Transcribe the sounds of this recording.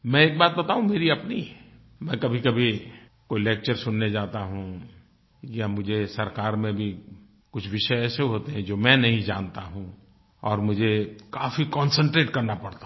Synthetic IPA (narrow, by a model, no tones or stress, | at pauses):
mɛ̃eːk̚baːt̪̚bɐt̪aːɦũmeːɾiɐpni | mɛ̃kɐbʱikɐbʱi | koːileːk̚t͡ʃəɾsʊnːed͡ʒaːt̪aɦũ | jamʊd͡ʒʱesɐɾkaːɾmẽbʱi | kʊt͡ʃʰʋɪʃəeɛːseɦoːt̪eɦɛ̃d͡ʒoːmɛ̃nɐɦĩd͡ʒaːnt̪aɦũ | ɔːɾmʊd͡ʒʱekaːfikɔ̃ːnsə̃ɳʈɾeːʈkɐɾnapɐɽt̪a